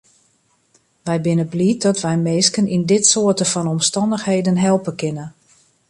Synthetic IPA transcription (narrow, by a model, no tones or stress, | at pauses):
ʋɛjbɪnəblit̚dɔtʋɛjmeːskənindɪtsoətəfɔnɔmstɑndəxhejdənɦɛlˠpənkɪnə